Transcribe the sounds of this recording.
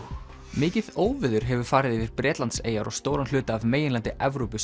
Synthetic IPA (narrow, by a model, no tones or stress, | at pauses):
mɪːcɪðoːwvɪðʏɾ̥ɦɛvʏɾ̥faːɾɪðɪvɪɾ̥pɾɛːt̪lant̪seːjaɾɔ̰ɣst̪oːwɾanl̥ʏːt̪aːvmeːjɪnlant̪ɪʔɛvɾowpʏs